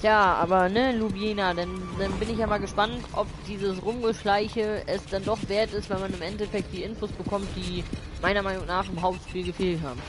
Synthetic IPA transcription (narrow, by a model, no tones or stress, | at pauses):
jaːʔa̰ːbɐnəlubjenadandanbɪnɪçjaːmaːlɡəʃpantʔɔpd̥iːzəsʁʊmɡəʃlaɪçəɛsd̥andɔχv̥eːɐtɪstvɛlmanɪmɛntɛfɛk̚t̚d̥iːʔɪnfoːsb̥əkʰɔmt̚d̥iːmaɪnɐmaɪnʊŋnaːχɪmɦaʊp̚tʃpiːlɡəfeːltɦha̰ːbm̩